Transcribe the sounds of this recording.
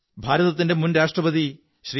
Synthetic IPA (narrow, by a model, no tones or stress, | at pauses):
bʱaːɾɐðɐt̪ːinde̞munɾaːʂʈrɐbɐd̪i | ɕriː